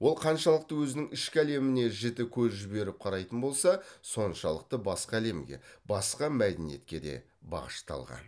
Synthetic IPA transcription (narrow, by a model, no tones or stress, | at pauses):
wo̞lˠqʰɑnʃɑlˠəq̚t̪əwɵzɪnɪŋɪʃkʲɪæle̞mɪne̞ʒɪt̪ɪkʲʰɵzʒɪbe̞ɾɪp̚qʰɑɾɑjt̪ənbo̞lˠsɑso̞nʃɑlˠəq̚t̪əbɑsqɑæle̞mɡʲe̞̰bɑsqɑmæd̪enije̞̰t̪̚kʲe̞d̪e̞̰ | bɑ̰ʁəʃt̪ɑ̰lˠʁɑ̰n